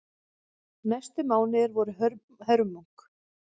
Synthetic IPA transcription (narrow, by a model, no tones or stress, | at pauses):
najst̪ʏmaːwnɪɾvɔɾʏɦœɾ | hœɾmuŋk